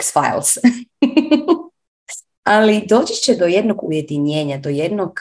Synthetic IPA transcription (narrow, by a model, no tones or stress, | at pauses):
ksfa̰j̰lˠs | alid̪o̞ːt͡ɕi̥t͡ɕed̪o̞jed̪noɡṵje̞d̪iɲeːɲad̪ojed̪noɡ